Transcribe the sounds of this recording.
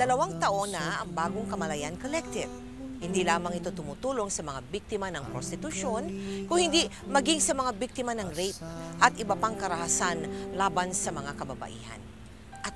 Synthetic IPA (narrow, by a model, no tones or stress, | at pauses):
d̪ɐlɐwaŋt̪ɐʔo̞nɐʔɐŋbaːɡoŋkɐmɐlɐjankolɛk̚t̪ɪv | hɪnd̪ilaːmɐŋɪt̪o̞t̪ʊmut̪uːlo̞ŋsɐmɐŋabik̚t̪ɪmanɐŋpɾost̪ɪt̪ʊʃo̞nkʊŋhɪnd̪i | mɐɡiŋsɐmɐŋabik̚t̪ɪmanɐŋɾejt̪̚ʔɐt̪ʔɪbɐpaŋkɐɾɐhasanlaːbansɐmɐŋakɐbɐbɐ̰ʔḭːhɐ̰n | ʔɐt̪̚